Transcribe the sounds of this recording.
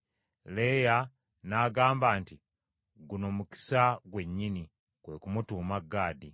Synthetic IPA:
leːja | naːɡaːmbaːnti | ɡuno̞muki̥saɡwe̞ɲːini | kwe̞kumutuːmaɡːaːdi

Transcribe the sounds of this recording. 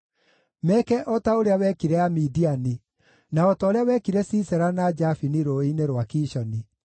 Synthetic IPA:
mɛkɛʔɔtaoɾeawɛkiɾɛamidiani | naɔtɔːɾeawɛkiɾɛsisɛɾanad͡ʒafiniɾoineɾwakiːʃɔni

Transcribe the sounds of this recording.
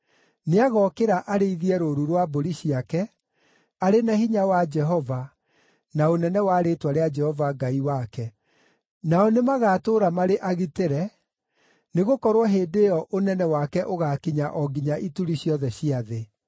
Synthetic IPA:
neaɣɔkeɾaʔaɾeiðiɛɾoɾuɾwaboɾiɕiakɛ | aɾenahiɲawad͡ʒɛɦɔva | naonɛnɛwaːɾetwaɾead͡ʒɛhɔvaɡaiwakɛ | naɔnemaɣaːtoːɾamaɾeʔaɣiteɾɛ | neɣokɔɾwɔɦeːdejɔʔonɛnɛwakɛʔoɣakiɲaʔɔɡiɲaʔituɾiɕjɔðɛɕiaðe

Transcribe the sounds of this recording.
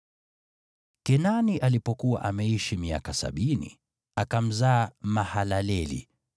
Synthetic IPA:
kɛnaniʔalipɔkuwa̰ʔamɛiʃimia̰kasa̰ɓinḭ | akam̩zaːmahalalɛlḭ

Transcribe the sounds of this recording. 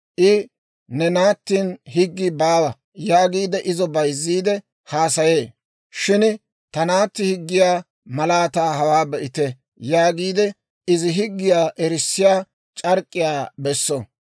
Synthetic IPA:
ʔɪ | nɛnaːt̪ːiːnhɪɡːɪbaːwɐ | jaːɡiːd̪ɛʔɪzɔbɐjzːiːd̪ɛ | haːsɐje̞ː | ʃɪn | t̪ɐnaːt̪ːɪhɪɡːɪjaː | mɐlaːt̪aːhɐwaːbɛʔɪt̪ɛ | jaːɡiːd̪ɛ | ɪzɪɦɪɡːɪjaːʔɛɾɪsːɪjaː | t͡ʃʼɐɾkʼːɪjaːbɛsːɔ

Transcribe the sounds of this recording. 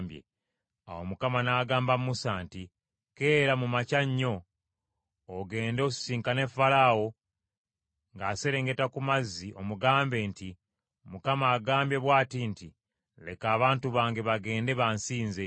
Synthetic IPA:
mbjḛ | a̰wo̞mukamanaːɡaːmbamusanti | ke̞ːɾamumacaɲːo̞ | ɡe̞ːndo̞ːsi̥siːŋkane̞falawo̞ | ŋɡase̞ɾe̞ːŋɡe̞takumazːio̞muɡaːmbe̞nti | mukamaːɡaːmbje̞βwaːtinti | le̞kaːβaːntuβaːŋɡe̞βaɡe̞ːnde̞βansiːnze̞

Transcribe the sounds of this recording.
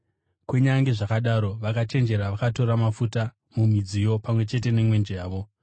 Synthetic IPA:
kweɲaŋɡeʐakaɗaɾo̞ʋakat͡ʃe̞nd͡ʒe̞ɾaʋakato̞ɾamafuta | mumid͡zijo̞pamwe̞t͡ʃe̞te̞ne̞mwe̞nd͡ʒaːʋo̞

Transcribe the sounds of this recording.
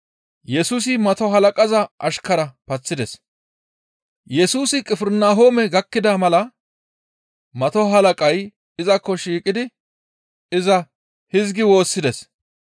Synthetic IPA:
jɛsuːs̬ɪmɐt̪ɔɦɐlɐkʼɐzɐʔɐʃkɐɾɐpɐt͡sːɪd̪ɛs | jɛsuːsɪkʼɪfɪɾnaːɦoːmɛɡɐkːɪd̪amɐlɐ | mɐt̪ɔɦɐlɐkʼɐj | ɪzɐkːɔʃiːkʼɪd̪ɪ | ɪzɐ | hɪzɡɪwo̞ːsːɪd̪ɛs

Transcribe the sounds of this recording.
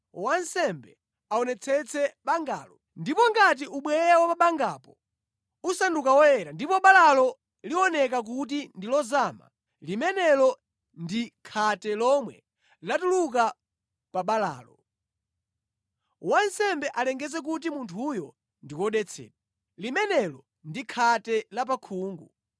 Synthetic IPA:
wansɛmbɛ | aɔnɛt͡sʰɛt͡sʰɛɓaŋɡa̰ːlɔ | ndipɔŋɡat̬iʔuɓwɛɾawapaɓaŋɡapɔ | usandukawɔjɛɾandipɔɓalalɔ | liɔnɛk̬ak̬ut̬indilɔzama̰ | limɛnɛlɔ | ndikʰatɛlɔmwɛ | latuluk̬a | paɓala̰ːlɔ | wansɛmbɛʔalɛŋɡɛzɛk̬ut̬imuntʰujɔ | ndikɔɗɛt͡sʰɛ̰ːɗa | limɛnɛlɔ | ndikʰatɛlap̬akʰuːŋɡu

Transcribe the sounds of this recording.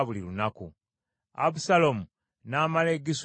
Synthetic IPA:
βulilunaku | a̰βusalomu | naːmaleɡis

